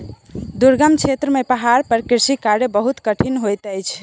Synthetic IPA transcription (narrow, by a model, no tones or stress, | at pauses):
d̪uɾɡəmt͡ʃʰet̪ɾəmepəɦaɾpəɾkiɾsikaɾebəɦut̪kəʈʰinɦojt̪əjt͡ʃʰ